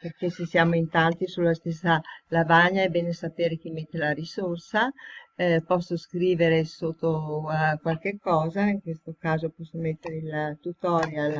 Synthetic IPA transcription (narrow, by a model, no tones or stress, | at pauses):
perk̟esesjaːmoint̪ant̪isulːast̪esːalavaɲːaɛbeːnesapeːɾek̟imet̪ːelaɾisorsa | pɔsːoskɾiːveɾesot̪ːokwalk̟ekːɔːzaiŋkwest̪okaːzopɔsːomet̪ːeɾeilt̪ut̪ɔːɾjal